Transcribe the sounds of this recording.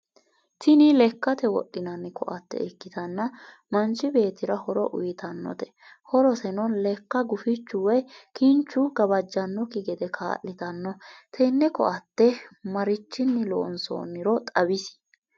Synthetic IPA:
t̪ɪnɪlɛkːɐt̪ɛwɔ̰ɗːɪnɐnːɪkɔ̰ʔɐt̪ːɛ̰ɪkːɪt̪ɐnːɐ | mɐnt͡ʃːɪbe̞ːt̪ɪɾɐhɔɾɔ̰ʔʊjɪt̪ɐnːɔ̰t̪ɛ̥ | hɔɾɔsɛnɔnlɛkːɐɡʊfɪt͡ʃːʊwɛjkɪnt͡ʃːʊɡɐbɐd͡ʒːɐnːɔkɪɡɛd̪ɛkʰa̰ːlːɪt̪ɐnːɔt̪ʰɛnːɛkɔ̰ʔɐt̪ːɛmɐɾɪt͡ʃːɪnːɪlo̰ːnso̰ːnːɪɾɔt̪ʼɐbɪs

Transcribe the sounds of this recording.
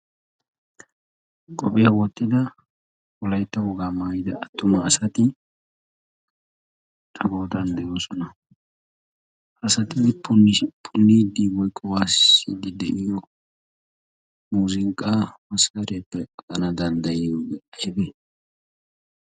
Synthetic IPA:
kʼɔpʼɛjɐwɔt̪ːɪd̪ɐ | wɔlɐjt̪ːɐwɔɡaːmaːjɪd̪ɐɐt̪ːʊmɐːsɐt̪ɪ | t̪ʼɐɡo̞ːt̪ɐnd̪ɛjo̞ːsɔnɐ | ʔɐsɐt̪ɪpʊnpʰʊnːid̪iwɔjkʼːɔwaːsɪ̰d̪ɪd̪ɛʔɪjɔ | muːzɪŋkʼːamɐskɐɾɛpːɛkʼɐnɐd̪ɐnd̪ɐjɪjoːɡɛʔɐjbɛ

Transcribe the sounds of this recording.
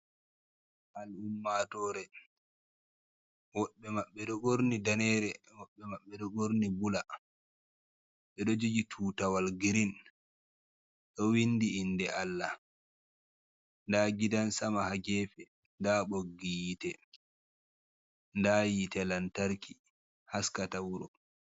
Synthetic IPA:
ʔalumːatɔːɾɛ | wɔɓːɛmaɓːɛɗɔɡoɾnidanɛːɾɛ | wɔɓːɛmaɓːɛɗɔɡoɾnibula | ɓɛɗɔd͡ʒud͡ʒitʰuːtawalɡiɾin | ɗɔwinːdiːndɛʔalːa | ndaːɡidansamahad͡ʒɛːfɛ | ndaɓoɡːijitɛ | ndajitɛlantaɾkʰi | haskatawuɾɔ

